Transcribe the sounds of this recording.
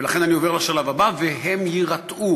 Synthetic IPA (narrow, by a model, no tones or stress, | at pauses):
elaχe̞nanio̞ve̞ʁlaʃalavabaveɦemjiʁat̪ʔu